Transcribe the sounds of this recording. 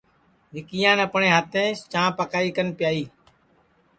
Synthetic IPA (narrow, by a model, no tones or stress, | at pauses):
ɦɪkijãːnəpɳẽːɦaːt̪ẽːt͡ʃãːpəkaːiːkənpɪjaːiː